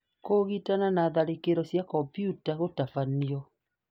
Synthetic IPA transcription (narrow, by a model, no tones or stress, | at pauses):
koɣitananaːðaɾekeɾɔsjakɔmpijutaɣotafaniɔ